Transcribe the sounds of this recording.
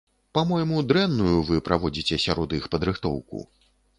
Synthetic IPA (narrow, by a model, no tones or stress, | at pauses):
pamɔjmud̪ɾɛnːujuvɨpɾʔavɔd͡zʲit͡sʲɛsʲaɾɔd̪ixpɐd̪ɾɨxt̪ɔ̰wkṵ